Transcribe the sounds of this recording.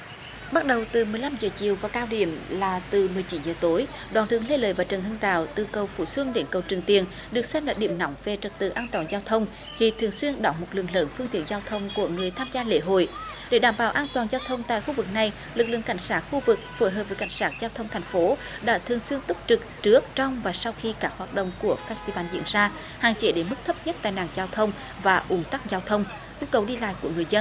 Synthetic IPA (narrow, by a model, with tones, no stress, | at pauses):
ɓa˦˥t̚ɗə˨˩wt̪ɨ˨˩mɨ˨˩əjla˧mzəː˨˩t͡ɕi˨əwvaː˨˩kaː˧wɗḭ˧˩˨əmlaː˨˩t̪ɨ˨˩mɨ˨˩əjt͡ɕi˨˦nzəː˨˩t̪o˨˦j | ɗwaː˨˩nt̪ɨ̰˨˧˩əŋle˧lə̰ː˧˦jvaː˨˩t͡ɕə˨˩nɦə˧ŋɗa̰ː˧˨wt̪ɨ˨˩kə˨˩wfṵ˧˩swə˧ŋɗe˨˦nkə˨˩wt͡ɕɨ˨˩əŋt̪i˨˩ən | ɗɨ˨˩ək̚sɛ˧mlaː˧˩ɗi˧˩əmnɔ˨˦wŋ͡mve˨˩t͡ɕə˨˩t̚t̪ɨ̰˧˩ʔaː˧nt̪waː˨˩nzaː˧wt̪ʰə˧wŋ͡m | xi˧˩t̪ʰɨ˨˩əŋswi˧ənɗɔ˧˩ŋmo˨˩t̚lɨ̰˧˨əŋlə̰ː˧˦nfɨ˧əŋt̪i˧˨ənzaː˧wt̪ʰə˧wŋ͡mku˧˩əŋɨ˨˩əjt̪ʰaː˧mzaː˧lḛ˧˥ɦo̰˧˨jɗe˧˩ɗaː˧˩mɓaː˧˩wʔaː˧nt̪waː˨˩nzaː˧wt̪ʰə˧wŋ͡mt̪a̰ː˧˨jxu˧vɨ˨˩k̚na˨˩j | lɨ˨˩k̚lɨ̰˧˨əŋka˧˩jŋ̟saː˦˥t̚xu˧vɨ˨˩k̚fo˧˩jɦəː˨˩p̚və˨˩jka̰˧˩jŋ̟saː˦˥t̚zaː˧wt̪ʰə˧wŋ͡mt̪ʰɛ˨˩ŋ̟fo˨˦ | ɗa̰ː˧˥t̪ʰɨ˨˩əŋswi˧ənt̪ʊ˦˥p̚t͡ɕɨ˨˩k̚t͡ɕɨ˦˥ək̚t͡ɕɔ˧wŋ͡mvaː˨˩sa˧wxi˧kaː˦˥k̚hwaː˨˩t̚ɗo̰˧˨wŋ͡mku˧˩əfɛː˦˥st̪i˧vaː˧˩nzḭ˧˥ənzaː˧ | haː˨˩ŋt͡ɕe˨˦ɗe˧˦nmɨ˦˥k̚t̪ʰə˦˥p̚ɲə˦˥t̚t̪a̰ː˧˨jna̰ː˨˩ŋzaː˧wt̪ʰə˧wŋ͡m | vaː˨˩ʔʊ˨˦ŋ͡mt̪a˦˥k̚zaː˧wt̪ʰə˧wŋ͡m | ʔu˧kə˨˩wɗi˧la̰ː˧˨jku˧˩əŋɨ˨˩əjzə˧n